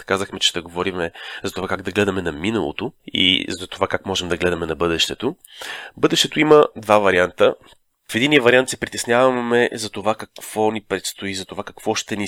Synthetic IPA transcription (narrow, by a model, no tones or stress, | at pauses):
kazəxmɛt͡ʃɛ̥t̪ɛɡovɔɾimɛzɐt̪ovakaɡd̪ɐɡlɛd̪ɐmɛnɐminɐlˠo̰t̪oḭzɐt̪ovakakmɔʒɛmd̪ɐɡlɛd̪ɐmɛnɐbɤd̪ɛʃt̪ɛt̪o | bɤd̪ɛʃt̪ɛt̪oiməd̪vavɐɾiant̪ə | fɛd̪inijəvɐɾiant̪sɛpɾit̪ɛsnʲjavɐmɛzɐt̪ovakɐkv̥ɔnipɾɛt̪st̪oizɐt̪ovakɐ̥kv̥ɔʃt̪ɛni